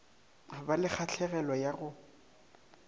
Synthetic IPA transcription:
balɪk͡xʰat͡ɬʰɛɣɛlɔjaɣʊ

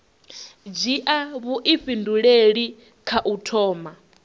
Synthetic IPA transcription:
d͡ʒiʔaβuʔiɸinduɺeɺi | kʰaʔutʰɔːma

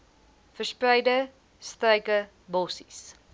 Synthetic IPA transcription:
fərsprœjdə | strœjkə | bɔsi̥s

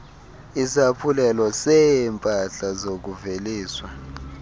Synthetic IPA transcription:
isapʰulɛlɔsɛmpʼaɬazok̬uveliːswa

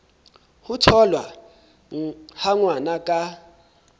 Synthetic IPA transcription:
hʊtʰɔlwa | haŋwanakʼa

